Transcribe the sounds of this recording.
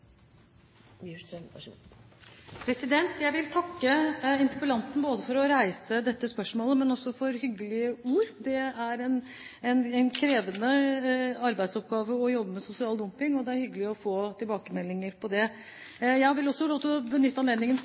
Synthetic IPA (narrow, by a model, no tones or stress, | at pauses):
pʰɾɛsɪd̪ɛnt̪jæɪʋɪlt̪ʰɑkːəɪnt̪ɪpəlɑnt̪n̩boːd̪əfɔɾɔɾæɪsəd̪ɛt̪ːəspœʂmoːləmɛnɔsːɔfɔɾhʏɡːəlɪəuːɾd̪ɛæɾɛn | ɛnɛnkʰɾeːʋənə | ɑɾbæɪd̪sɔp̚ɡɑːʋəɔjɔbːəmɛsʊsɪɑːld̪ʊmpɪŋɔd̪ɛæɾhʏɡːəlɪɔfoːt̪ʰɪlbɑːkəmɛlːɪŋəɾpʰɔd̪ɛ | jæɪʋɪlɔsːɔloːt̪ɔbənʏt̪ːəɑneːd̪nɪŋən